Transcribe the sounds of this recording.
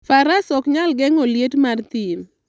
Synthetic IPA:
faɾasɔkɲalɡɛŋoljetmart̪ɪn

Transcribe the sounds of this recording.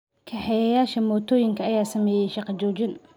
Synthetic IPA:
kʰɑħɛjɐjaːʃɐmɔːt̪ʰɔːjɪŋkʰɐɐjaːsɐmɛːjɛʃɑqɑt͡ʃɔːt͡ʃɪn

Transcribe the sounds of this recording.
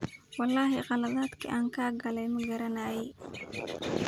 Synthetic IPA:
wɑlːɑːɦɛqɑlɐðaːd̪kʰḭʔaːŋkʰaːɡɐlɛjmɐɡɐɾɐnaːjɛ

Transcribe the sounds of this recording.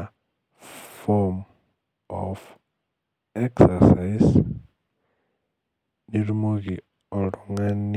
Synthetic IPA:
fom | o̰f | eksasais | niɾumuɣi | oluŋan

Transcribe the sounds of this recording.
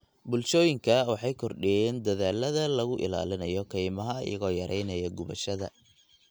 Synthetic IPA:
bʊlʃɔːjɪŋkʰɐwɑħɑjkʰɔrɖɪjɛːnd̪ɐðaːlːɐðɐlɐɣʊʔɪ̰la̰ːlɪnɐjɔkʰɛjmɐɦɐ̰jɐ̰ɣɔːjɐɾʔɛjnɐjɐɡʊβɐ̰ʃɐðɐ̰

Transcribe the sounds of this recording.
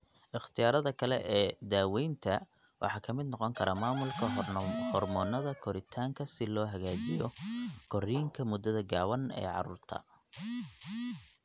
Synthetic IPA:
ʔɪχt̪ʰɪjaːɾɐðɐkʰɐlɛʔɛːd̪aːwɛjnt̪ʰɐ | wʔɑ̰ħɑːkʰɐmɪd̪nɔqɔŋkʰɐɾɐmaːmʊlkʰɐhɔrmɔːnɐðɐkʰɔɾɪt̪ʰaːŋkʰɐsɪlɔːɦɐɣaːt͡ʃɪjɔkʰɔɾiːŋkʰɐmʊd̪ɐðɐɡaːwɐnɛ̰ːʕɑ̰ɾṵːrt̪ʰɐ̰

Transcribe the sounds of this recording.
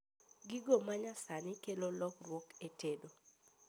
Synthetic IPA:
ɡiɡomaɲasanɪkelolɔkrwɔketedo

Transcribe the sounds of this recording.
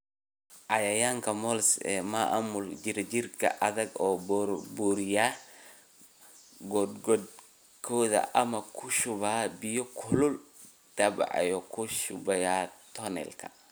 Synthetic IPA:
ʔɑjɐjaːŋkʰɐmɔlsɛ̰ːmaʔa̰mʊld͡ʒɪɾɛt͡ʃɪrkʰɐ̰ʔɐðɐɡɔːbɾbuːɾɪjaː | ɡɔd̪ɡɔd̪̚ | kʰɔːðɐ̰ʔɐmɐkʰʊʃʊβaːbɪjɔkʰʊlʊl | d̪̥ɐbɑ̰ʕɛ̰jɔkʰʊʃʊbɐjaːt̪ʰɔnɛ̰lkʰɐ̥

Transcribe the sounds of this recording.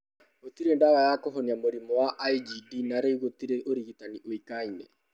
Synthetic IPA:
ot̪iɾendaɣajakɔɦɔniamoɾimɔwaʔaid͡ʒidinaɾeiɣot̪iɾeʔoɾiɣitaniʔoikainɛ

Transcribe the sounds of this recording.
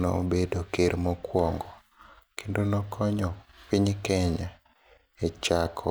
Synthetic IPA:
nɔ̰bedokeɾmɔkwɔŋɡɔ | kʰendonɔkʰɔɲɔpiɲkɛɲa | et͡ʃakʰɔ

